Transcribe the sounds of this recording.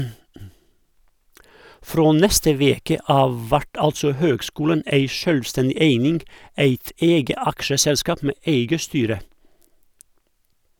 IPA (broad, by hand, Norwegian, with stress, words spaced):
ˈfɾoː ˈnɛstə ˈʋeːkə ˈɑːʋ ˈʋæʈ ˈɑltsɔ ˈhøːɡˌskuːlən ˈeɪ ˈʃœlˌstɛndɪ ˈeɪnɪŋɡ ˈæɪt ˈeːɡə ˈɑkʃəˌsɛlˌskɑːp ˈmeː ˈeɪɡə ˈstyːɾə